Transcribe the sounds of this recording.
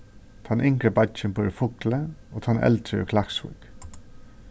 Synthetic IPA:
t̪ʰɑːnʔɪŋkɾəbɑçənpʰoɾəfʊkləoːt̪ʰɑːnʔɛ̰lt̪ʰɾəo̰ːkʰlɑksʊ̰k

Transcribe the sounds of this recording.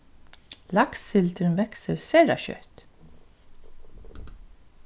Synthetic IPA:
lɑksfɪlt̪ʰɾənʋɛksəɾseːɾɑçœ̰t̪

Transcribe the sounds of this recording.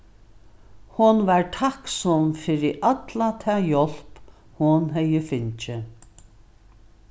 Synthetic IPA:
hʊnvaɹt̪ʰaksɔmfɪɾɪʔat̪lat̪ʰɛːjɔl̥p | hʊnɦɛjɪfɪnt͡ʃɪ

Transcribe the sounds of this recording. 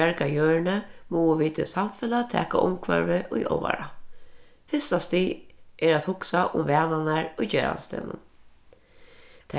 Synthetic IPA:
aɹkajøːɹɳəmuːəʋiːt̪ʰɪ̰samfɪlat̪ʰɛ̰ːka̰ʔʊmkʰvœ̰ɹʋɪʔʊjʔɔ̰wa̰ɾa | fɪst̪ast̪iːʔɛɾæt̪hʊksaʔʊmʋɛːnanaɹʊjd͡ʒeːɹa̰nst̪ḛːnʊ̰n | t̪ʰ

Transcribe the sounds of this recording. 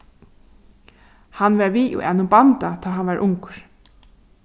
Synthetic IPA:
hanʋɛɾʋiːʔṵʔɛ̰nʊmbant̪at̪ʰɔːɦanvaɾʔʊŋkɾ̥

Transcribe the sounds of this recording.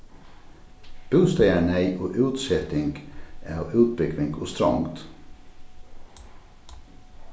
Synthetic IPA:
b̥ʉːst̪ɛɪæɳæɪʔoːʔʉːt̪sɛt̪ɪŋɡæːʔʉːt̪̚bʏɡʋɪŋɡʊ̰st̪ɾɑ̰ŋt̪

